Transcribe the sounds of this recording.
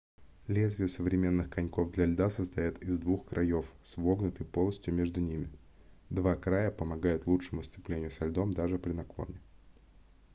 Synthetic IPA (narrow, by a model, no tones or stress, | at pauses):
lʲezʲvʲɪəsəvɾʲɪmʲe̞nːɨxkɐnʲko̞vd̪lʲɐlʲd̪asəst̪ɐjat̪ɪzd̪vuxkɾʔɐjo̞fsvo̞ɡnʊt̪ɨjpo̞lˠəsʲtʲjʊmʲe̞ʐd̪ʊnʲimʲɪ | d̪vakɾajəpəmɐɡajʊt̪lˠut͡ʂʂəmʊst̪sɪplʲenʲɪjʊsɐlʲd̪o̞md̪aʐɨpɾʲɪnɐklˠo̞̰nʲɪ